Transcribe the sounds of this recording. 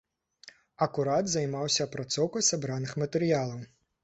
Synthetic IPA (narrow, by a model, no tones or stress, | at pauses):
ɐkuɾad̪zɐjmawsʲɐːpɾat̪sɔwkɐjsabɾanɨxmɐt̪ɛɾɨjalˠɐw